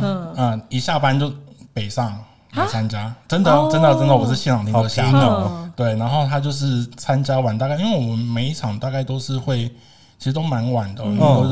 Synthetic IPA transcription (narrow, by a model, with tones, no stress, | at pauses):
ə˨˩i˧˥ɕja˥˧pa˥˧nt͡ɕjo˥˩ʊpe˨˩ɪʂɑ˥˩ŋ | lt͡sʰa˦˥nt͡ɕja˥ʈ͡ʂə˥nd̪ə˨˩˥ʈ͡ʂə˥nd̪ə˨jʈ͡ʂə˥nd̪ə˨˩wɔ˨˩ʂɻ̩˥˩ɕi˥˧njɑ˨˩ŋt̪i˥˧ɕja˥˧˩t̪we˥˩ɪna˧˥nxo˥˩ʊt̪ʰa˥t͡ɕjo˥˧ʊʂ̬ɻ̩˥˩t͡sʰa˦nt͡ɕja˥wa˨˩nt̪a˥˧ki˥ŋwe˥˩wɔ˩ə˦nme˧˥ɪ˥˩ʈ͡ʂʰɑ˨˩ŋt̪a˥˧ka˥˩ɪt̪o˥ʊʂɻ̩˥˧xwe˥˩ɪ | t͡ɕʰi˧˥ʂɻ̩˧˥t̪o˥ʊma˧˥nwa˨˩nd̪ə̰˦˥˧o˨˧˥